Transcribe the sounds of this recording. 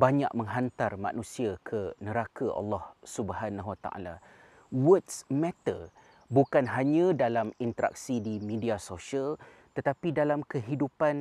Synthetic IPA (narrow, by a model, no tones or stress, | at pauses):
baɲaʔ̚mə̃ŋɦant̪armã̰nũsiakʰənəɾakaʔɑ̰lːɑhsubɦanaɦwat̪a̰ʔa̰la̰ | wətsmɛt̪ə | bukanɦaɲãdalamint̪əɾa̰k̚sidimĩdiasoʃiəl | t̪ət̪apidalamkəɦidupan